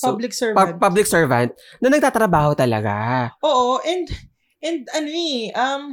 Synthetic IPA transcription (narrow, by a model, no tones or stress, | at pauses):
pablɪksɛɹapablɪk̚sɛɹvɐnt̪̚ | nɐnɐɡ̚t̪aːt̪ɾɐbaːhot̪ɐlɐ̰ɡa̰ʔoːʔoʔɛnd̪ | ʔɛnd̪̚ɐnoʔɐm